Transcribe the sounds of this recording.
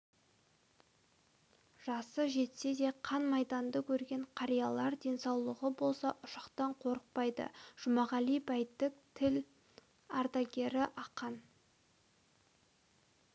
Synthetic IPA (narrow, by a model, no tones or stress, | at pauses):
ʒ̥ɑsəʒe̞t̪se̞d̪e̞qʰɑnmɑjd̪ɑnd̪əkʲʰɵɾɡʲe̞ɴqʰɑɾijɑlˠɑɾd̪e̞nsɑwlˠəʁəbo̞lˠsɑʔʊʃɑqt̪ɑɴqʰo̞ɾəq̚pɑjd̪ə̰ʒ̥ʊmɑʁɑlijbɑjt̪ːɪk̚t̪ʰɪl | ɑɾt̪ɑɡʲe̞ɾɪʔɑqːɑn